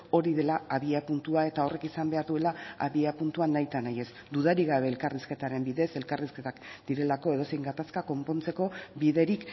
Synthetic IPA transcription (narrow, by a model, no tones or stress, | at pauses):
o̞ɾiðe̞laaβiapunt̪uae̞t̪ao̞re̞kisambe̞aɾðue̞laaβiapunt̪uanajt̪anaje̞s | d̪uðaɾiɣaβe̞ːlkariske̞t̪aɾe̞mbiðe̞se̞lkariske̞t̪akd̪̥iɾe̞lako̞e̞ð̞o̞se̞jŋɡat̪askako̞mpo̞nt͡se̞ko̞βiðe̞ɾik